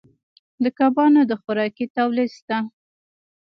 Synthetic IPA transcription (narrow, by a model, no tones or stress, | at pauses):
d̪əkɑbɑnod̪əxʊɾɑkit̪awlist̪a